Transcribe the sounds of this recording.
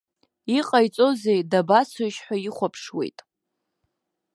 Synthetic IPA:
iqʼajt͡sʼo̞ze̞jdabasʰoʃħʷᶣaiχʷapʰʂwe̞̰jtʼ

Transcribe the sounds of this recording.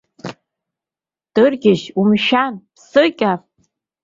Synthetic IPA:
d̥ɨrɡʲɪʃumʃanpsɨkʲʼa

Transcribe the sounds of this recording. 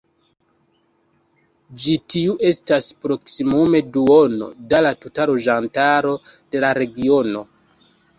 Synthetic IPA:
d͡ʒitiuʔe̞staspɾo̞ksimume̞duo̞no̰dalatutaloʒantaɾo̞d̥e̞laɾe̞ɡio̞no̞

